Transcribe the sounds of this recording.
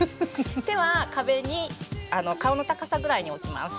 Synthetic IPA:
d̪e̞βakabe̞ɲ̟iano̞kao̞no̞t̪akasaɡɯ̟ɾaiɲ̟io̞kʲima̰sɨ̥

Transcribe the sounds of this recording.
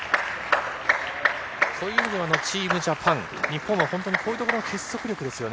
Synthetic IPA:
soːjɯːimʲid̪eano̞t͡ɕiːmɯ̟ʑapʰãŋ̃ | ɲ̟ipːõɰ̃ːahõ̞nt̪oɲ̟ikʰo̞ːjɯ̟t̪o̞koɾonokʰe̞so̞kɯ̟ɾʲo̞kɯ̟d̪e̞sɨjo̞ne

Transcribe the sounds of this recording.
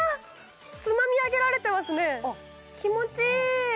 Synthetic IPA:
t͡sɨmamʲiaɡe̞ɾaɾe̞t̪e̞masɨne̞ | kʲimo̞t͡ɕi

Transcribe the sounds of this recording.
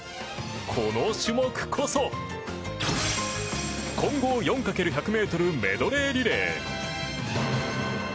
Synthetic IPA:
kʰo̞noɕɨmokɯ̟̥kʰo̞so | kʰõ̞ŋɡo̞ːjõ̞ŋkake̞ɾɯ̟çakɯ̟me̞ːt̪o̞ɾɯ̟me̞̰d̪o̞ɾe̞ːɾʲiɾeː

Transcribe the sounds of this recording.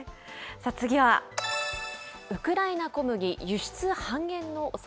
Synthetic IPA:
sat͡sɨɡʲiβa | ɯ̟kɯ̟ɾainako̞mɯ̟ɡʲijɯ̟ɕi̥t͡sɨhãŋɡẽ̞nːo̞ʔos

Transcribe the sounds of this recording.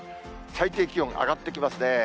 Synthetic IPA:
sait̪eːkʲiõŋʔa̰ɡat̪ːe̞kʲimasɨne̞

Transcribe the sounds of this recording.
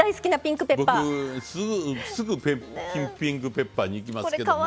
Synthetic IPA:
aisɨ̥kʲinapʲĩŋkɯ̟pebopːaɯsɨɡɯsɨɡɯpekʲĩpʲĩŋkɯ̟pe̞pːaːɲ̟iiːk̬ʲimasoɾekaa

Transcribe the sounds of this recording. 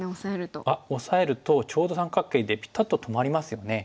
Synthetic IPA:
osaeɾɯ̟t̪o̰ao̞sae̞ɾɯ̟t̪o̞t͡ɕo̞ːd̪o̞sãŋkakːe̞ːd̪e̞pʲi̥t̪ːat̪ːot̪ʰo̞maɾʲimasɨjo̞ne̞

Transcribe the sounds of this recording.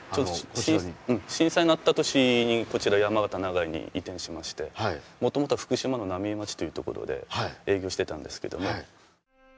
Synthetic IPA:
t͡ɕot̪oɕĩɯ̟̃ɴɕĩsainat̪ːat̪o̞ɕiɲ̟iko̞t͡ɕiɾajamaɡat̪anaɡaiɲ̟ḭit̪ẽ̞ɰ̃ɕimaɕi̥t̪e̞amo̞t̪o̞mo̞t̪oɸɯ̟̥kɯ̟ɕimano̞namʲiːmat͡ɕi̥t̪o̞jiɯ̟t̪o̞ko̞̰ɾo̞̰d̪e̞̰e̞ːɡʲo̞ːɕi̥t̪e̞t̪ãnd̪e̞sɨ̥ke̞̰d̪o̞̰mo̞

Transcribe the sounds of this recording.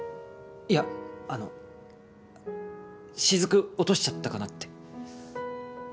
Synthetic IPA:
iaano | ɕizɨkɯ̟o̞t̪o̞ɕi̥t͡ɕat̪ːakanat̪ːe̥

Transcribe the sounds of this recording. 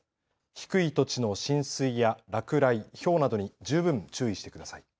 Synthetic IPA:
çi̥kɯ̟it̪o̞t͡ɕino̞ɕĩɰ̃sɨijaɾakɯ̟ɾaiço̞ːnad̪o̞ɲ̟id͡ʑɨːbɯ̟̃ɲt͡ɕɨːiɕi̥t̪e̞kɯ̟d̪asai

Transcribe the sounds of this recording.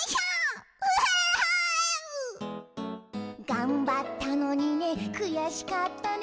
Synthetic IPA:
a | ɡãmbat̪ːano̞ɲ̟ine̞kɯ̟jaɕi̥kat̪ːan

